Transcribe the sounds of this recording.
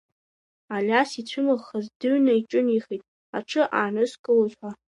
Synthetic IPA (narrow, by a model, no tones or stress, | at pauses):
alʲasit͡ɕʷʰʊmɨʁχazdɨɥnaiʈ͡ʂʼɨniχitʼ | a̰ʈ͡ʂʰɨʔaːnɨskʼɨlzʷħʷa